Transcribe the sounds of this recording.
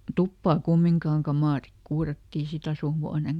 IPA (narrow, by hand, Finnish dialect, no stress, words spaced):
tupːɑː kumːiŋkɑːŋ kɑmɑˑrik kuːrɑtːiː sit ɑsuˑhuɑneŋ